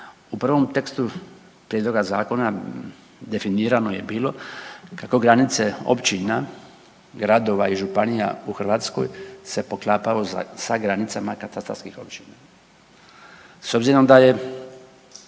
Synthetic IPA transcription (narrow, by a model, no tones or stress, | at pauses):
upr̩ʋo̞mt̪e̞kst̪u | pɾjed̪lo̞ɡazaːko̞na | d̪e̞finiːɾanoje̞biːlo̞kako̞ɡɾanit̪seo̰pt͡ɕina | ɡɾad̪o̞ʋaiʒupanija̰uxr̩ʋat̪sko̞̰jse̞po̞klˠaːpaʋoza̰saɡɾanit̪samakat̪ast̪ɾa̰ɾskixo̞̰pt͡ɕina | so̞bziɾo̞md̪aje̞